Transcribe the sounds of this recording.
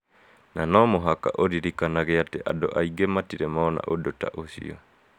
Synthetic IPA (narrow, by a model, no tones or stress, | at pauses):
nanɔmoɦakaʔoɾiɾikanaɡeatɛʔa̰doʔaiɡematiɾɛmɔna̰ʔodota̰ʔosḭo